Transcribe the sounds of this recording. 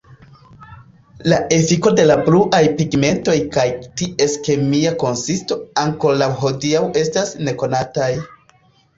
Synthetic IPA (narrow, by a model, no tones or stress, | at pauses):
laʔe̞fiko̞de̞labluʔajpiɡme̞nto̞jkajtiʔe̞ske̞miako̞nsisto̞aŋkolawɦo̞diawe̞stasne̞ko̞nataj